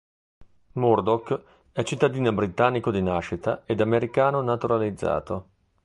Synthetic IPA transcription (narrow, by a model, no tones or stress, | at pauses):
murd̪ok | ɛt͡ʃit̪ːad̪iːnobɾit̪anːikod̪inaʃːit̪aed̪ameɾikaːnonat̪uɾalid̪zːa̰ːt̪o